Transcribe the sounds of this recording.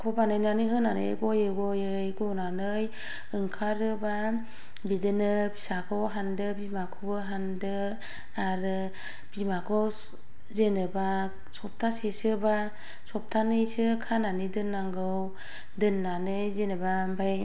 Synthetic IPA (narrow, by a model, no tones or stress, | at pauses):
kʰɔbanɯjnanɯɦɯnanɯɡojɯɡɔjɯjɡɔnanɯj | ɯŋkʰaɾɯba | bidɯnɯpʰi̥sakʰɯwɦandɯbimakʰobɯɦandɯ | aɾɯ | b̥imakʰɯw | zenɯba | sɔp̚tʰasesɯba | sɔp̚tʰanɯjsɯkʰananidɯnːaŋɡɯw | dɯnːanɯjzenɯba | baj